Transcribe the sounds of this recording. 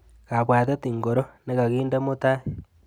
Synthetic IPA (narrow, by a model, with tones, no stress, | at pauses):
ka˨βwa˨t̬e˦t̪i˨ŋɡo˨ɾo˦ne˦ɣa˨ɣiː˦nde˦mo˦ta˦